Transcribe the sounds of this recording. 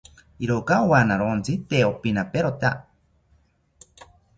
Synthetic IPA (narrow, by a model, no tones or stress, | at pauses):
iɾokaowanaɾont͡sit̪eopinapeɾot̪a